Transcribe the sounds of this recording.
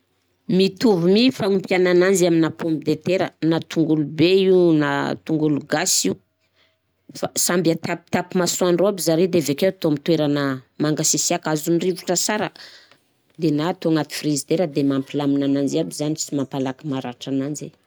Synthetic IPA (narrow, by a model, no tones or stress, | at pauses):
mit̪uvumifaŋumpjananand͡ʒiaminapombid̪et̪eɾənat̪ʰuŋɡulubeina̰t̪uŋɡuluɡasiu | fasambiat̪ap̚t̪apimasuanroabizaɾed̪evekewt̪omit̪weɾanəmaŋɡasisiakazunirivuʈ͡ʂəsaɾə | d̪enat̪oŋat̪i̥frizid̪eɾəd̪emampilaminanand͡ʒiabizanit͡simampalakimaɾaʈ͡ʂanand͡ʒe